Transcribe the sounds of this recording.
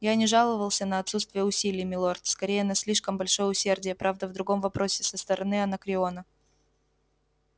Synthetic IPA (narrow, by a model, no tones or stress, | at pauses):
janʲɪʐalˠəvəlˠsʲənəɐt̪sut̪st̪vʲɪjəʊsʲilʲɪjmʲɪlˠort̪skɐɾʲejənɐsʲlʲiʂkəmbɐlʲʂo̞jəʊsʲe̞rdʲɪjəpɾʔavd̪əvd̪ɾʊɡo̞mvɐpɾo̞sʲɪ̥səst̪əɾʔɐnɨɐnəkɾʲɪo̞nə